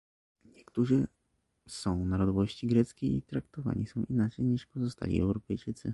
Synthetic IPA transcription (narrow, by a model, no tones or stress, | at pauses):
ɲɛkt̪uʐɘ | sɔ̃w̃naɾɔd̪ɔvɔɕt͡ɕiɡɾɛt̪skʲejit̪ɾak̚t̪ɔva̰ɲisɔ̃w̃ʔinat͡ʂɛjɲiʂpɔzɔst̪a̰lʲḭɛ̰wɾɔpɛjt͡ʂɘt̪sɘ